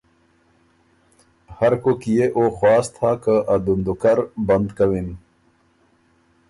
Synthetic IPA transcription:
hɐɾkokijeʔoːxwaːst̪ʰaːkəʔad̪und̪ukɐɾbɐnd̪kɐwin

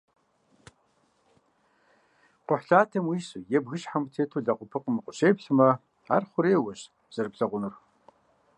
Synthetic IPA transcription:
qʷʊħɬaːtʰɐmwiːsujɛbɣɨɕħamtʰeːtʰuːɮɐqʷʊpʰɨqʼəmɨqʷʊɕeːbɬɨmɐ | a̰ːrχʷʊɾeːwɐɕ | z̥ɐrpɬɐʁʷʊnɨr

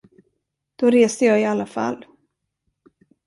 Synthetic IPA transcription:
d̪̥ɔɾeːsd̪əjɑːɡɪalːafa̰lː

